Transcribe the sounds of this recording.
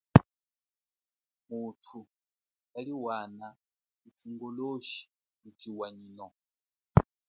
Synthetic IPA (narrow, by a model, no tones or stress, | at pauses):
mutʰu | aliwana | mutʰiŋɡɔloʃi̥ | mutʰiwaɲinɔ